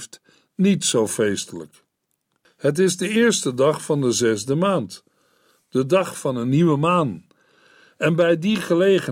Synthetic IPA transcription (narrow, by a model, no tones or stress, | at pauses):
ft | nitsowfejstələ̰k | hət̬ɪzdəɪːɹstədɑχfɑndəzɛzdəmaːnt | d̥ədɑχfɑnəniʋəmaːn | ɛnbɛjdiχəlejχə